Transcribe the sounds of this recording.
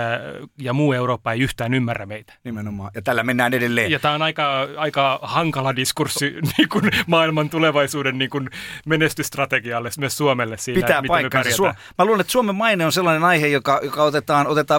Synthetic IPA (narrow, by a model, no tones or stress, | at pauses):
jɑmuːeuroːpːɑeiyht̪æːnymːærːæmeit̪æ̥nimenomɑ̰ːjɑt̪ælːæmenːæːnedelːeːnjɑt̪æːonɑikɑɑikɑhɑŋkɑlɑdiskursːiniːŋkunmɑːilmɑnt̪uleʋɑisuːdenniːŋkunmenest̪yst̪rɑt̪eɡiɑlːesmyssuomelːessiːlpiææːmipɑikːærsesuo | mæluːlenet̪suomemmɑineonselːɑnenɑihejokɑjokɑot̪et̪ɑːnot̪et̪ɑː